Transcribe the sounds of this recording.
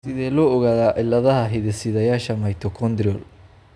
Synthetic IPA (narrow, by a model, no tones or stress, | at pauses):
sɪðɛːlɔɔɣaːðaːʔɪlɐðɐɦɐɦɪðɛsɪðɐjaːʃɐmɐjt̪ʰɔkʰɔnd̪ɾɪɔl